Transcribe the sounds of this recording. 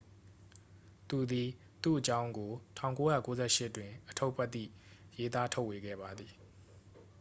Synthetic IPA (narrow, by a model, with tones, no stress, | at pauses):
t̪u˨d̪i˨ | t̪ṵ˦˨ʔət͡ɕã˦ʊ̃ŋɡo˨tʰã˨ʊ̃ko˦jä̰˦˨ko˦zɛ˦˨ʃɪ˦ʔtwɪ̃˨ʔətʰo˦pʰɛ˦t̪ːḭ˦˨je˦t̪a˦tʰo˦ʊʔwe˨ɡɛ̰˦˨ba˨d̪ði˨